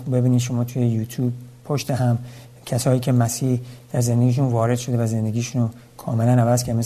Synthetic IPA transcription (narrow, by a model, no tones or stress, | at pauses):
be̞biːniːd̪ʃo̞mɒːt̪ʰujejuːt̪ʰjuːb̚pʰoʃt̪eɦæm | cʰæsɒːjiːcʰe̞mæsiːhd̪̥æɾzend̪eɡiːʃunvɒːɾe̞d̪ʃo̞d̪evæze̞nd̪e̞ɡʲiːʃuno | kʰɒːmelænævæzkʰæɾd̪mes